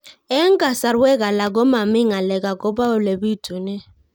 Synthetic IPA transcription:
ɛ˦ŋ̩˦kʼa˨sa˨ɾwɛ˦k̬a˨la˨k̬ɔ˦ma˨mɪ˦ŋa˨lɛ˨ka˨kɔ˦ba˦ʊ˨le˨bi˦˨tʰʼu˨nɛ˦

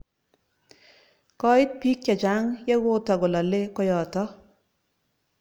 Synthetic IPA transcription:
kɔ˦ɪ˦t̪̚pi˦k̚t͡ʃa˨d͡ʒa˨˦ŋjɛ˦ɡʊ˦tɔ˨ɡɔ˨lɔ˨le˦kɔ˦jɔ˨tɔ˦

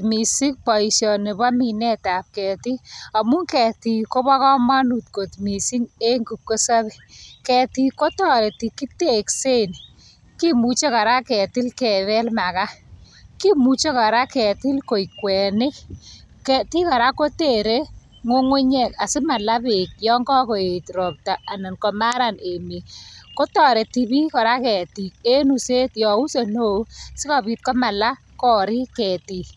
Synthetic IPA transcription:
mi˨si˦k̚pɔ˨i˨ʃjɔ˨ne˨ba˦mi˨nɛ˦ta˨p̚kɛ˨ti˦a˨mu˦ŋkɛ˨ti˨ko˦ba˦kɔ˦ma˦nu˨tko˨tmi˨si˦ŋe˦ŋɡu˨p̚ko˦sa˦βe˨kɛ˨ti˦ko˦tɔ˦ɾe˨ti˨ki˦te˦˨kse˦˨n | ki˦mu˨t͡ʃe˦ka˨ɾa˦kɛ˨tɪ˦lkɛ˨ðɛ˦lma˨ka˦ | ki˦mu˨t͡ʃo˦ka˨ɾa˦kɛ˨tɪ˦lko˨i˨kwɛ˨nɪ˦ | kɛ˦ti˦ka˨ɾa˦ko˦te˦˨ɾe˦ | ŋo˦ŋʊ˦ɲɛ˨ka˨sɪ˦ma˨la˦be˨k̚jɔ˦ŋɡɔ˦ko˨e˨tɾɔ˨p̚ta˨a˨na˨nkɔ˨ma˦ɾa˦˨ne˨mi˨ko˦tɔ˨ɾe˨ti˨bi˦kɔ˨ɾa˦kɛ˨ti˨ke˦nu˨se˦tjɔ˨u˦se˨no˦sɪ˦ka˨bi˦t̚kɔ˦ma˨la˦ | kɔ˦ɾi˦kɛ˨ti˨

